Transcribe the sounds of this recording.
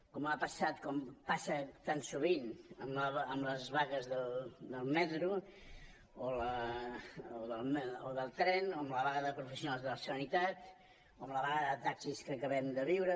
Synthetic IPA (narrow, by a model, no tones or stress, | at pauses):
kɔmapəsat̪kɔmpasət̪ansuβinəmləβəmləzβaɣəzðəld̪əlˠmɛt̪ɾu | olə | oðəlˠmoðəlˠt̪ɾɛnoəmləβaɣəðəpɾufəsjunalˠzðələsənit̪at̪ | oəmləβaɣəðət̪aksiskəːkəβɛmd̪əβiwɾə